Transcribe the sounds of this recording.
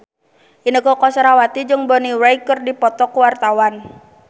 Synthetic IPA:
ʔinəkɔkɔsɾawat̪id͡ʒəŋbɔniwɾaikərdipɔt̪ɔkwart̪awan

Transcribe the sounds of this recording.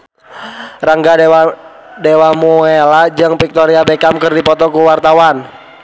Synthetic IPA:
raŋɡa | dewamuelad͡ʒɨŋpik̚t̪ɔɾiabekamkərdipɔt̪ɔkuwart̪awan

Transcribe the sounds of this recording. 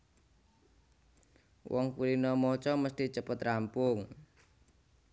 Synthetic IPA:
wʔɔŋkuɾinɔmɔt͡ʃɔməst̪it͡ʃəpət̪rampʊŋ

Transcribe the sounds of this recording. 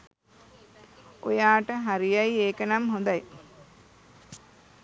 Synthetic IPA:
o̰jaːʈəɦaɾijajieːkənamɦond̪aj

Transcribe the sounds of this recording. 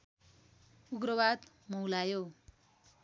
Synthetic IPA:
uɡrʌwad̪ | mʌwlajo

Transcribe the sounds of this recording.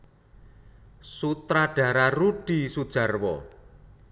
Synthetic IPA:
sut̪ɾaɖ̥a̤ɾaruɖ̥i̤sud̥ʒ̥a̤rwɔ̰

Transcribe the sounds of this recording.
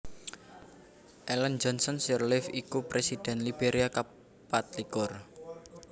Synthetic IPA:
ʔɛlɛnd͡ʒɔnsɔnsɛrlɪfikupɾesid̪̥ɛ̤nlib̥eɾʔiaka | pat̪̚likʊr

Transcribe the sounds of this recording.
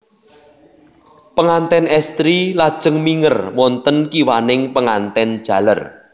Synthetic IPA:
pəŋant̪ɛnɛst̪ɾilad̥ʒ̥ə̤ŋmiŋərwɔnt̪ənkiwanɪŋpəŋant̪ɛnd̥ʒ̥a̤lə̰r

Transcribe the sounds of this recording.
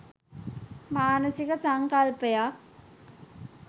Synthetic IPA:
maːnəsikəsaŋkalpejak̚

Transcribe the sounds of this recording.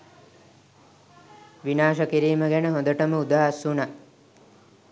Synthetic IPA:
ʋinaːʃəkiɾiːməɡɛnəɦõnd̪əʈəməud̪aːɦsuna

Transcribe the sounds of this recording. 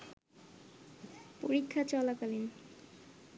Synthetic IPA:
poɾikʰːat͡ɕɔlakalen

